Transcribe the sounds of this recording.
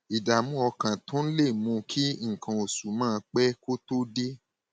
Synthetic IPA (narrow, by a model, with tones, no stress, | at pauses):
i˨da˨mũ˦ɔ˧kã˨tɔ̃˨˦n̩˦le˦˨mũ˧kʰi˦ŋ̩˨kã˧o˨su˨mãː˦˧k͡pɛ˦ko˦to˦de˦